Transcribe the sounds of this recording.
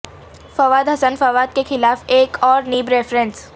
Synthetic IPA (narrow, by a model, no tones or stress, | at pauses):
fɐʋaːd̪ɦɐsənfɐʋaːd̪̚kexɪlaːfeːkɔːɾniːbɾeːfɾə̃ns